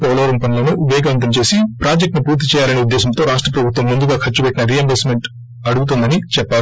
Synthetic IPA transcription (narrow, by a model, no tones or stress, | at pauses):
pɔːlɐʋɐɾɐmpɐnloːnuubʱɛːɡɐʋɐnt̪̬ɐmt͡ʃe̞ːsipɾaːd͡ʒek̚ʈnupuːɾt̪it͡ʃɛːjaːlɐniud̪ːɛːsɐmt̪o̞ːɾaːʂʈɾɐpɾɐbʱut̪ʋɐmːund̪uɡaːkʰɐt͡ʃːupɛʈːinɐɾiɐmbelsme̞ɳʈ | ɐɽuɡut̪̬und̪ɐnit͡ʃɛpːaːl